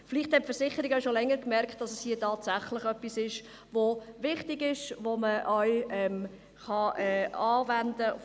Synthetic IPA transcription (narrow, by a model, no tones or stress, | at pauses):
fɪliχthɛtpfəɾsɪχəɾiɡaʊʃolɛŋːəɾkmɛɾkχtd̥ɑsɛshiːətɑːtsaχlɪχœpːisɪʃ | ʋovɪχtɪɡɪʃʋoməʔœʏɛm | χɑɛːɑːvænd̥ə̰